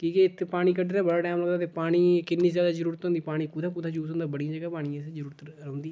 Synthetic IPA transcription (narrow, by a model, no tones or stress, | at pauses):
kiːkeɪt̪ʰːepaːɽ̃iːkəɖd̪ɾaːbəɽaːʈɛːmləɡd̪aːt̪eːpaːɽ̃iːkɪnːiːzjaːd̪aːzəɾuːɾət̪ɦõːnd̪iːpaːɽ̃iːkʊd̪ãːkʊd̪ãːt͡ʃuːsõːnd̪aːbəɽijãːd͡ʒəɡaːpaːɽ̃iːãsezəɾuːɾət̪ɾəõːnd̪iː